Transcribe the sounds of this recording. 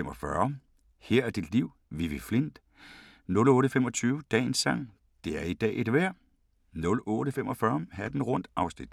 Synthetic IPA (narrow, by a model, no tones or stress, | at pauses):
emɒ̽fɶɐ | heɐ̰æɐd̥id̥liʊ | ʋiʋefle̝n̰d̥ | nɔ̽lɔ̽ːɾəfemɒ̽t͡sʰyːʊəd̥ɛ̰ːnsːɑ̈ŋ̰ | d̥e̝æɐid̥ɛ̰ːʔe̝d̥ʋæɐ̰ | nɔ̽lɔːɾəfemʔɒ̽fɶːɐhæɐd̥n̩ʁɔ̽n̰d̥ɑ̈ʊsnid̥